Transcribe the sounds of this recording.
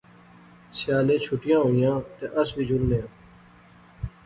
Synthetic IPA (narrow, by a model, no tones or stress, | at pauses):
sɪjaːlẽːt͡ʃʰʊʈɪjãːɦoːjãːt̪eːʔəsʋiːd͡ʒʱʊlnejãː